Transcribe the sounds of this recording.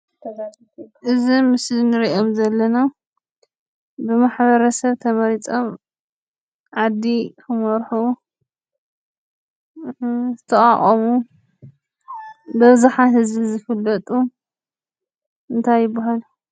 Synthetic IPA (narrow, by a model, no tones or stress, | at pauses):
ʔɨzimɨsnɨɾiʔomzɐlːɐna | bɨmaħbɐɾɐsɐβt̪ʰɐmɐɾit͡sʼom | ʕad̪ːikʰɨmɔɾħu | zɨt̪ʰɐχʼa̰χʼɐmu | bɐβzuħahɨzbizɨfɨlːɐt̪ʼu | ɨnt̪ʰajːɪbːaɦalu